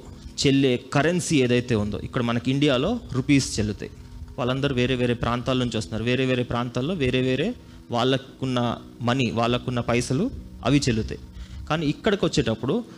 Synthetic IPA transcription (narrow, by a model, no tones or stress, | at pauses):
t͡ʃelːe̞ːkɐɾensieːd̪ɐjt̪e̞ːund̪o̰ːʔḭkːɐɽɐmɐnɐkiɳɖijaːlo̞ːɾupiːst͡ʃelut̪a̰iʋaːɭːɐnd̪ɐɾuʋe̞ːɾeːʋeːɾeːpɾʔaːnt̪aːlont͡ʃuːst̪unːaːɾuʋe̞ːɾe̞ːʋeːɾeːpɾaːnt̪aːlːo̞ːʋe̞ːɾe̞ːʋeːɾe̞ː | ʋaːɭːɐkunːɐ̰ | mɐniʋaːɭːɐkunːɐpɐjsɐluɐ̰ʋit͡ʃelut̪ḛjkaːniːikːɐɽɐkiʋɐt͡ʃːe̞ːʈɐpːuɽu